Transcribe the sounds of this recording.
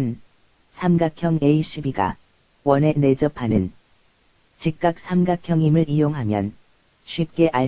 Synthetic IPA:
n | sʰamɡakʰjʌŋeiɕ͈ʰibiɡa̰ | wʌne̞ne̞d͡ʑʌpʰanɯn | t͡ɕik̚k͈ak̚sʰamɡakʰjʌŋimɯɭijoŋɦamjʌ̰n | ɕʰwip̚k͈e̞ʔaɭ

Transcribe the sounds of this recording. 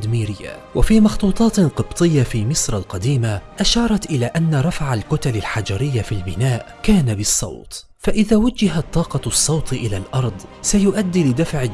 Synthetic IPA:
d̪miːɾɪjːa̰wʔafiːmɑxt̪ˤuːt̪ˤɑːt̪qɨbt̪ˤɨjːafiːmɪsɾˤɑlqɑd̪iːmaʔaʃɑːɾˤɑt̪ʔɪlaːʔanːaɾˤɑfʕalkʊt̪alalħad͡ʒaɾɪjːafilbɪnaːʔ | kaːnabɨsˤːɑ̰wt̪ | faʔɪðaːwad͡ʒɪɦat̪ˤːɑːqɑsˤːɑwt̪ˤʔɪlaːlʔɑɾˤd̪ˤsajʊʔad̪ːiːlɪd̪afʕ

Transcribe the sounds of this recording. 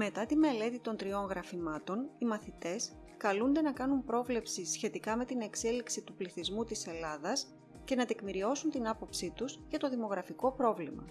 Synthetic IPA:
me̞t̪ɐt̪ime̞le̞t̪it̪o̞nt̪ɾio̞ŋɣɾɐfimɐt̪o̞nimɐθit̪e̞s | kɐlund̪e̞nɐkɐnumpɾo̞vle̞psisçe̞t̪ikɐme̞t̪ine̞kse̞liksit̪upliθizmut̪ise̞lɐðɐs | ce̞nɐt̪e̞kmiɾio̞sunt̪inɐpo̞psit̪uscɐt̪o̞ðimo̞ɣɾɐfiko̞pɾo̞vlimɐ̰

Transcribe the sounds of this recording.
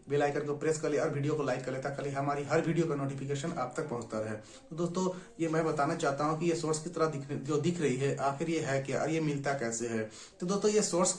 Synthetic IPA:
beːlaːɪkəɾkopɾeskɐɾleɔːɾbʱiːɖijokolaːɪkːɐɾlet̪akəliɦɐmaːɾiɦɐɾbʱiːɖijokanoːʈipʰɪk̬eːʃənaːp̚t̪ɐk̚pɐɦʊ̃t͡ʃt̪aɾɐɦɛː | t̪od̪oːst̪ojemɛ̃ːbɐt̪aːnat͡ʃaːɦt̪aɦũkijesoːɾskit̪ɐɾəd̪ɪkʰod̪ɪkʰɾɐɦiɦɛʔaːxɪɾjeɦɛkjaʔɔ̰ːɾjemɪlt̪akɛːseɦɛ | t̪od̪oːst̪ojesoːɾs

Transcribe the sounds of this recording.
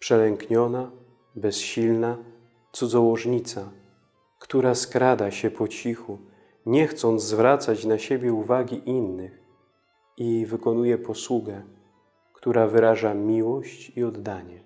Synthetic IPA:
pʂɛlɛŋkɲɔna | bɛsɕilna | t̪sud̪zɔwɔʐɲit̪sa | kt̪uɾaskɾad̪aɕɛpɔt͡ɕixu | ɲɛxt̪sɔnd̪zzvɾat̪sat͡ɕnaɕebʲjɛuvaɡʲiʔinːɘx | ivɘkɔnujɛpɔswuɡɛ | kt̪uɾavɘɾaʐamʲiwɔɕt͡ɕiɔd̪ːaɲɛ

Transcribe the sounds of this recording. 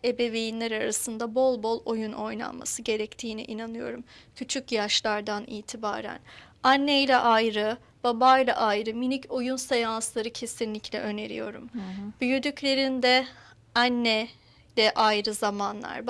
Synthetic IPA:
e̞be̞vejinlʲæɾaɾasɯnd̪abo̞lˠbo̞lˠo̞juno̞jna̰nma̰sɯɟe̞ɾɛct̪ʰiːnḭʔinanɯjo̞̰ɾumcʰyt͡ʃʰycjaʃlˠaɾd̪anḭːt̪ʰiba̰ːɾæ̰n | anːejlʲɛʔajɾɯ | b̥abajlˠa̰ʔajɾɯminicʰo̞junsejanslˠaɾɯcʰe̞sinlʲicʰlʲɛ̰ʔø̞ne̞ɾḭjo̞̰ɾṵmb̥yjyd̪yclʲe̞ɾind̪ɛ | anːɛ | lʲɛʔajɾɯzamanlˠa̰ɾb

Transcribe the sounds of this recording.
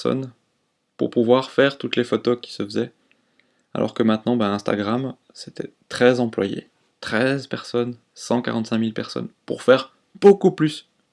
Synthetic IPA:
sɔ̰n | pṵʁpuvwaʁfɛʁt̪ut̪lefɔt̪okʲi̥səfəzɛ | a̰lʔɔ̰ʁkəmɛ̃t̪nɑ̃bɛ̃ɛ̃st̪a̰ɡʁam | set̪ʰɛt̪χɛzɑ̃plwajḛ | t̪χɛzpɛʁsɔn | sɑ̃ka̰ʁɑ̃t̪sɛ̃milpɛʁsɔ̰npṵʁfɛʁ | b̥okuplys

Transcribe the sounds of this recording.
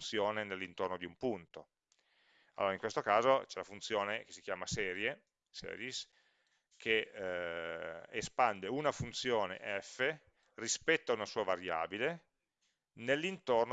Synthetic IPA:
t̪sjoːnenelːint̪ornod̪iumpunt̪o | alːoːɾaiŋkwest̪okaːzot͡ʃɛlafunt̪sjoːneke̥sik̟jaːmasɛːɾje | sɛ̰ːɾjis | kʰe | espand̪eunafunt̪sjoːnḛʔɛfːe | rispɛt̪ːoaunasuːavaɾja̰ːbile | nelːint̪orn

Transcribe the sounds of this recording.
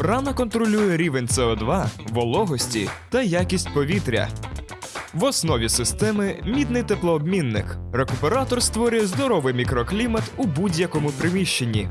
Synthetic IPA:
rɑnɐkɔnt̪ɾɔlʲujɛɾʲiʋe̞nʲt̪sɛɔd̪ʋɑʋɔlˠɔɦɔsʲtʲit̪ɐjakʲisʲtʲpɔʋʲit̪ɾʲɐ̰ | ʋɔsnɔʋʲisɪst̪ɛmɪmʲid̪nɪjt̪eplˠɔːbmʲinːɪ̰krekʊpeɾɑt̪ɔrst̪ʋɔɾʲʊjɛzd̪ɔɾɔʋɪjmʲikɾɔklʲimɐt̪ubudʲjɐkɔmʊpɾɪmʲiʃt͡ʃenʲːi

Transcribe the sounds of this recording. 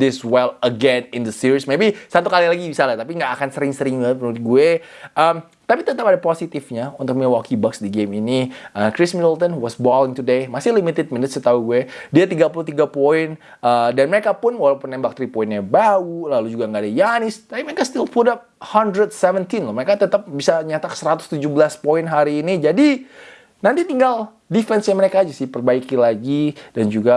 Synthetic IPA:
d̪ɪswɛləɡɛnɪ̃nd̪əsiɾismebisat̪ukalilaɡibisalat̪apiŋɡaːkansəɾɪŋsəɾɪŋpənulɪt̪̚ɡueʔəm | t̪apit̪ət̪apadaposit̪ɪfɲaunt̪ʊk̚miwɔkibaksdiɡeminiʔəkɾɪsmidəlt̪ənhuwɔsbɔlɪŋt̪udemasɪhlimit̪ɪd̚minɪt̪̚sət̪auɡuɛdiat̪iɡapulut̪iɡapoɪn | ədanməɾekapʊnwalawpʊnːɛmbak̚t̪ɾipoinɲabaulalud͡ʒuɡaŋɡaːdajanɪst̪apiməɾekast̪ilpudap̚handɾəd̚sɛvənt̪inlɔməɾekat̪ət̪əp̚bisaɲat̪aksəɾat̪ʊ̥st̪ud͡ʒʊhbəlaspoɪnɦaɾiːnid͡ʒadi | nant̪it̪iŋɡal | difɛnsjaməɾekaːd͡ʒasɪhpərbaikilaɡidand͡ʒuɡa

